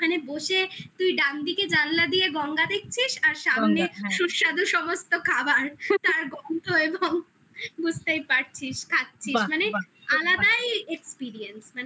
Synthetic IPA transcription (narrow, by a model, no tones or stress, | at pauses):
maneboʃet̪ujɖand̪iked͡ʑanlad̪ijeɡɔŋɡad̪ek̚t͡ɕʰiʃaɾʃabomeʃuɾʃad̪uʃɔmost̪okʰabaɾt̪aɾɡɔnt̪oeboŋ | bud͡ʑʱt̪ejpaɾt͡ɕʰiʃkʰak̚t͡ɕʰiʃmanealad̪ajekspiɾiensmane